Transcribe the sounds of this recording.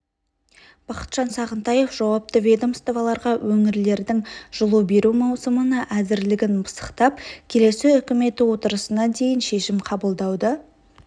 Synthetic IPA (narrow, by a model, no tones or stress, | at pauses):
b̥ɑqə̥t̪ʒ̥ɑnsɑʁənt̪ɑje̞fʒ̥ɑwɑp̚t̪əvʲed̪omst̪ovɑlˠɑɾʁɑwʔɵŋɪɾle̞ɾd̪ɪŋʒ̥əlˠube̞ɾumɑwsəmənəʔæzɪɾlɪɡʲɪnbəsə̥qt̪ɑpkʲʰe̞le̞sɪʏkʲɪme̞t̪ɪwo̞t̪əɾəsənɑd̪e̞jɪnʃe̞ʃɪmqʰɑbəlˠd̪ɑwd̪ə